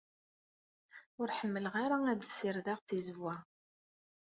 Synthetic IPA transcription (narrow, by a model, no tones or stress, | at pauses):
ʊɾħəmːələʁaɾaæd̪sːiɾðaʁθizvːæ